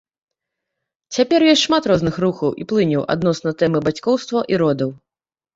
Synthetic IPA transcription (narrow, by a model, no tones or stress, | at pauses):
t͡sʲapʲɛrjɔsʲtʲʂmat̪ɾɔznɨxruxɐwʔḭplˠɨnʲiwʔa̰d̪nɔsnɐt̪ɛmɨbat͡sʲkɔwst̪vɐʔiɾɔd̪ɐw